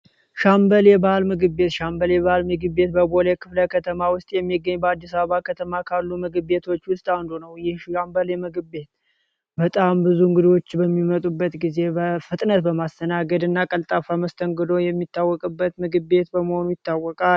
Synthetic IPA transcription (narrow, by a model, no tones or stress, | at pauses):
ʃambəlebaalmɨɡɨbːe̞t̪ʃambəleβaalmɨɡɨbːe̞t̪bəbolekʰɨfləkʰət̪ʰəmawʊst̪ʼjɛmːiɡːəɲːbəad̪ːis̬aβəβakʰət̪ʰəmakʰalːumɨɡɨbːe̞t̪ʰo̞t͡ʃːwʊst̪ʼand̪onəwjɪhʃambəlemɨɡɨbe̞t̪ | bət̪ʼambɨzuŋɡɨd̪o̞t͡ʃːbəmːimət̪ʼubːət̪ɡize̞bəfɨt̪ʼnət̪bəmast̪ʰənaɡəd̪ɨnːakʼəlt̪ʼafaməst̪ʰəŋɡɨd̪o̞jɛmːit̪ʰːawːɔkʼɨbːət̪mɨɡɨbe̞t̪bəməho̞nujɪt̪ːawːɔkʼa